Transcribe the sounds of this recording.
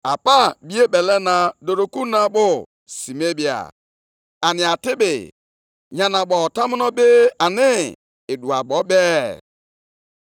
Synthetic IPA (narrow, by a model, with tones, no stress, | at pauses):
a˨pa˦bi˦e˦bɛ˨lɛ˦na˨do˨ɾo˨ku˦na˦bʊ˦ | si˨me˦bi˨a̰˨ | a˨nɪ˨a˨tɪ˦bɪ̰˨ | ɲa˨na˨bɔ˨ta˦mɪ˦nɔ˦be˦a˨nɪ˦ | ɪ˨du˨a˨bɔ˨˦bɛ˦